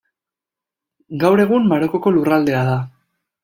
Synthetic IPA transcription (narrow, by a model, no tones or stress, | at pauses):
ɡawɾe̞ɣummaɾokoko̞lurald̪e̞að̞a